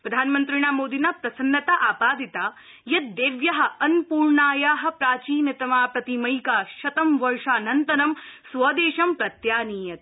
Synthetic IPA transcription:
pɾɐd̪ʱaːnmɐnt̪ɾiɳaːmoːd̪inapɾɐsɐnːɐt̪aʔaːpaːd̪ʱit̪aː | jɐt̪̚d̪eːʋjɐɦɐ̆ɐnpuːɾɳaːjaːɦɐ̆pɾaːt͡ʃiːnjɐt̪ɐmaːpɾɐt̪imɐjkaːʃɐt̪ɐmʋɐɾʂaːnɐnt̪ɐnɐmsʋɐːd̪eːʃɐmpɾɐt̪jaːniːjɐt̪̚

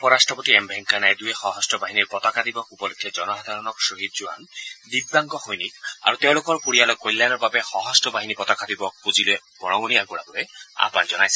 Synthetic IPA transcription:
pɔɹasʈɹɔpɔt̪iɛmbʱɛŋkanajd̪ujexɔɦɔstɔbaɦiniɹpɔt̪akad̪ibɔkupɔlekʰːɛd͡ʒɔnɔsad̪ʱaɹɔnɔksoɦid̪̚d͡ʒua̰nd̪ibːaŋɡɔxojnika̰ɹut̪ew̃lokɔɹpuɹijalɔjkojlːanɔɹbabɛxɔɦɔstɔbaɦinipɔt̪akad̪ibɔk̚puziloebɔñɔɡoniakuɽa̰bɔɾea̰panzɔnajsɛ̥

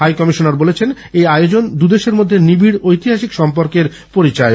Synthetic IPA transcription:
ɦajkɔmiʃonaɾbolet͡ɕʰen | ejajod͡ʑond̪ud̪eʃeɾmod̪ʱːenibiɽojt̪iɦaʃikʃɔmpoɾkeɾ | poɾit͡ɕae

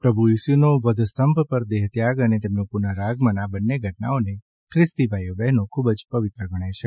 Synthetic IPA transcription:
pɾəbʱuisunoʋəd̪ʱst̪əmppəɾd̪eɦt̪jaɡənet̪emnõpunaɾaɡmə̃nabənːeɡʱəʈna̰one | kʰɾɪst̪ibʱajobɛɦnõkʰubəd͡ʒpəʋɪt̪ɾəɡʱəɽ̃et͡ʃʰe

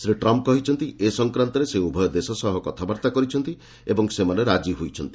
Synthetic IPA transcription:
sɾiʈɾɔmp̚kɔɦit͡ʃʰɔnt̪iesɔŋkɾant̪ɔɾeseubʱɔjɔd̪esɔsɔɦɔkɔt̪ʰabaɾt̪akɔɾit͡ʃʰɔnt̪i | ebɔŋsemaneɾad͡ʒiɦojt͡ʃʰɔnt̪i̥

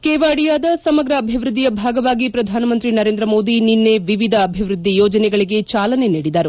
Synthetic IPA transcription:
keːʋaːɽijaːd̪ɐsɐmɐɡɾɐːbʱiʋɾud̪ːijɐbʱaːɡɐʋaːɡipɾɐd̪ʱaːnɐmɐnt̪ɾinɐɾe̞ːnd̪ɾɐmo̞ːd̪ininːe̞ʋiʋid̪ʱɐːbʱiʋɾud̪ːijɔːd͡ʒɐnɛɡɐɭiɡe̞t͡ʃaːlɐne̞niːɽid̪ɐɾu

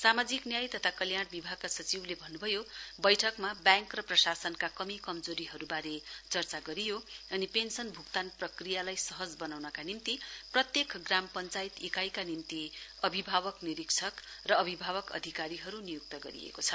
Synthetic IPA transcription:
samad͡ziknjajt̪ʌt̪ʰakʌljaɽ̃bibʱaɡ̚kasʌt͡siblebʱʌnːubʱʌjobʌjʈʰʌkmabjãŋkrʌprʌsasʌnkakʌmikʌmd͡zoɾiɦʌɾubaɾet͡sʌrt͡saɡʌɾijoʌnipensʌnbʱukt̪anprʌkrijalajsʌɦʌd͡zbʌnawnʌkanimt̪iprʌt̪jekɡrampʌnt͡sajit̪ikajkanimt̪iʌbʱibʱabʌkniɾiksʰʌkrʌːbʱibʱaβʌkʌ̰d̪ʱikaɾiɦʌɾunijuk̚t̪ʌɡʌ̰ɾḭḛkot͡sʰʌ

